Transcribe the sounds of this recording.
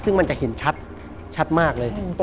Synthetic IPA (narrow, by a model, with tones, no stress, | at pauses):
sɯ˥˩ŋma˧nt͡ɕa˨˩ʔhe˩˦nt͡ɕʰa˦˥t̪̚ | t͡ɕʰa˦˥t̪̚maː˥˩k̚lɤː˧jt̪